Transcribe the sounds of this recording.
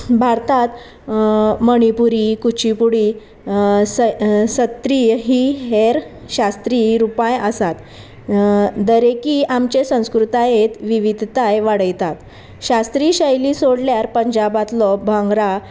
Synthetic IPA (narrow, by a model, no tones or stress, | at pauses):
bʱaɾt̪at̪ | məɽ̃ipuɾikut͡ɕipuɽi | ssət̪ɾiɦiɦeɾ | ɕast̪ɾiːɾupajəsat̪ | d̪əɾekiːʔamt͡ɕesə̃w̃skɾut̪ajet̪ʋiʋid̪ʱt̪ajʋaɽəjt̪at̪ | ɕast̪ɾiːɕəjlisoɽljaɾpəɲd͡ʑabat̪lɔbʱãŋɡɾa